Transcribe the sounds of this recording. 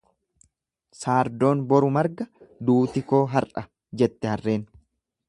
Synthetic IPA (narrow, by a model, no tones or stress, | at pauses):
saːɾd̪o̞ːnbɔɾʊmɐɾɡɐd̪uːt̪ɪko̞ːɦɐɾʔɐ | d͡ʒɛt̪ːɛhɐrːe̞ːn